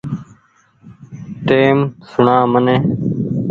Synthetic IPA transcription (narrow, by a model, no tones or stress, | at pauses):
ʈeːmsʊɳãːmənẽː